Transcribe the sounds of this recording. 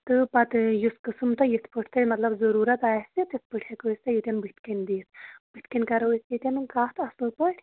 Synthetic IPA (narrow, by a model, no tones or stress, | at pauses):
t̪ɨpɐt̪juskɨsɨmt̪ɐjit̪ʰpɨʈʰt̪ɐjmɐt̪lɐbzɐɾuːɾɐt̪aːsit̪ispɨʈʰekost̪ɐjit̪ʲɐnbɨt̪ʰkɐnʲd̪iːsbɨt̪kɐnʲkɐɾɐusjit̪ʲɐnɨnkaːt̪ʰɐsupəʈʰʲ